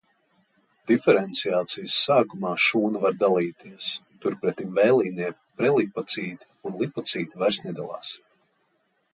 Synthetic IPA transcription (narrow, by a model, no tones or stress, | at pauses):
d̪̥ifɛɾɛnt̪siaːt̪sijəsːaːkumaːʃuːnɐvaɾd̪alˠiːt̪iɛst̪uɾpɾɛt̪imvɛjlˠiːniɛ | pɾɛlˠipːɔt̪siːt̪ʲi̥unlˠipːɔt̪siːt̪ʲivæɾsnʲid̪alˠa̰ːs